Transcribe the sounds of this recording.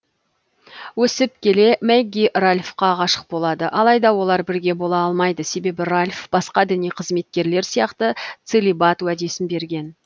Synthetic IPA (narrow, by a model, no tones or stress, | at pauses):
wɵsɪp̚kʲʰe̞le̞mæɡʲiralʲfqɑʁɑʃə̥q̚bo̞lˠɑd̪əʔɑlˠɑjd̪ɑwo̞lˠɑɾbɪɾɡʲe̞bo̞lˠɑɑlˠmɑjd̪əse̞be̞bɪɾalʲfb̥ɑsqɑd̪ɪnijqʰəzme̞t̪̚kʲe̞ɾle̞ɾsijɑqt̪ət̪selʲibat̪wæd̪e̞sɪnbe̞ɾɡʲe̞n